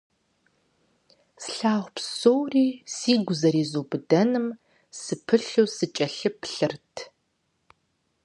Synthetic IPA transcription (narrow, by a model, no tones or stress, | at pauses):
sɬaːʁʷpsowriːsiːɡʷʊzɐɾiːzoːbɨdɐnɨm | sɨpʰɨɬuːsɨt͡ʃʼɐɬɨpɬɨrtʰ